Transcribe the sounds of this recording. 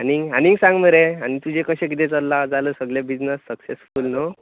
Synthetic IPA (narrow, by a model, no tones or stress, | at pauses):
ɦaniŋɡaniŋɡsãŋɡməɾeañit̪ud͡ʑʱekəɕẽk̬it̪̬et͡səlːad͡zaləsəɡlebid͡ʑnəsːəksesfulno